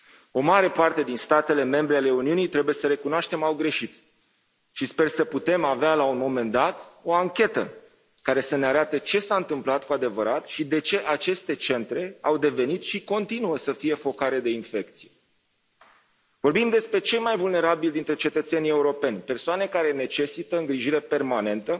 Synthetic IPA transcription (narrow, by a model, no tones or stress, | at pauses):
o̞maɾe̞part̪e̞d̪inst̪at̪e̞le̞me̞mbɾe̞ale̞uniunijt̪ɾe̞buje̞səɾe̞kunoaʃt̪e̞mawɡɾe̞ʃit̪ | ʃispe̞rsəput̪e̞mavealaunmo̞me̞nd̪at̪o̞aŋkʲe̞t̪ə̰ | kaɾe̞səne̞aɾat̪ət͡ʃe̞saɨnt̪ɨmplat̪kuad̪e̞vəɾat̪ʃid̪e̞t͡ʃe̞ʔat͡ʃe̞st̪e̞t͡ʃe̞nt̪ɾe̞awd̪e̞ve̞nit̪ʃiko̞nt̪inuəsəfije̞fo̞kaɾe̞d̪e̞infe̞k̚t̪sije | vo̞rbimd̪e̞spɾe̞t͡ʃe̞jmajvulne̞ɾabild̪int̪ɾe̞t͡ʃe̞t̪ət̪se̞nije̞uɾo̞pe̞nʲpe̞rsoane̞kaɾe̞ne̞t͡ʃe̞sit̪əɨŋɡɾiʒiɾe̞pe̞rmane̞nt̪ə